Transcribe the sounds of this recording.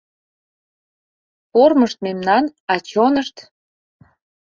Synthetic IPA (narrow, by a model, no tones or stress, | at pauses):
porməʃt̪̚memnɑnɑt͡ɕonəʃt̪